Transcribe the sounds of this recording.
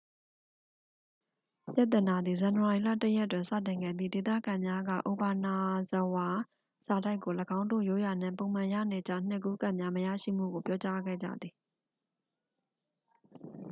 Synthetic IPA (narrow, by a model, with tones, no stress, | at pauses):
pja˦t̪ːə˨na˨d̪i˨zã˨nəwa˨ɹi˨la̰˦˨tə˦jɛ˦tːwɪ̃˨nsä̰˦˨tɪ̃˨ŋɡɛ̰˦˨d̪ði˦˨de˨t̪ä̰˦˨ɡã˨mja˦ɡä̰˦˨ʔo˨ba˨na˨zəwa˨ | z̥a˨da˦ɪkːo˨ləɡã˦ʊ̃ndo̰˦˨jo˦˨ja˨n̥ɪ̰̃˦˨põ˨ʊ̃mã˨ja̰˦˨ne˨t͡ɕa̰˦˨n̥ɪ˦ʔkːu˦ka˦˨ʔmja˦məja̰˦˨ʃḭ˦˨m̥ṵ˦˨ɡo˨pjɔ˦t͡ɕa˦ɡɛ̰˦˨d͡ʑa̰˦˨d̪i˨